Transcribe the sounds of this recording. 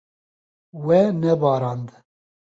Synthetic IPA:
wɛnɛbɑːɾɑːnd̪

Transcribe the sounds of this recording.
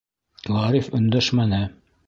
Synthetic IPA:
lˠɑɾifɵ̆nd̪æʃmænɘ

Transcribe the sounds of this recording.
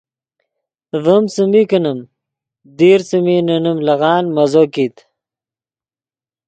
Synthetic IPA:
vəmsɨmikənəm | d̪iːɾsɨminənəmlɐɣaːnmɐzokit̪

